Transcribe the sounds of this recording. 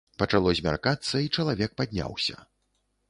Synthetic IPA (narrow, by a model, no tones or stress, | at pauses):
pɐt͡ʂalˠɔzʲmʲa̰rkat̪sːɐit͡ʂɐlˠavʲɛk̚pad̪ʲnʲa̰wsʲɐ̰